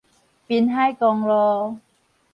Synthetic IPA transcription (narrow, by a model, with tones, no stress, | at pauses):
pi˧nɦa˥˩jkɔː˧ŋlɔː˧